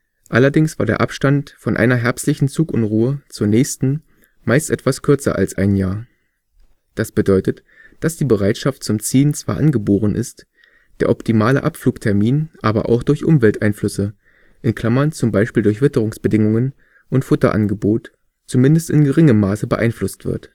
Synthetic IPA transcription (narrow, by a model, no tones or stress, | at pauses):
ʔalɐdɪŋsv̥aːɐdeːɐʔapʃtantfɔnʔa̰ɪnɐɦɛɐpstlɪçn̩t͡suːkʔʊnʁuːət͡suːɐnɛːçstn̩ | maɪstʔɛtv̥askʰʏɐt͡sɐ̰ʔa̰lsʔa̰ɪnjaːɐ | d̥asb̥ədɔʏtət | d̥asd̥iːbəʁ̞aɪtʃaft̚t͡sʊmt͡siːnt͡sv̥aːɐʔanɡəboːʁ̞ənʔɪ̰st | d̥eːɐʔɔptʰimaːlə̰ʔapfluːktʰɛɐmiːnʔaːbɐ̰ʔa̰ʊxd̥ʊɐçʔʊmvɛltʔaɪnflʏsə | ʔɪnkʰl̥amɐnt͡sʊmbaɪʃpiːldʊɐç̬v̥ɪtəʁ̞ʊŋsb̥ədɪŋʊŋən | ʔʊntfʊtɐ̰ʔa̰nɡəboːt | t͡sumɪndəstɪnɡəʁɪŋəmːaːsəbəʔaɪnflʊstv̥ɪ̰ɐt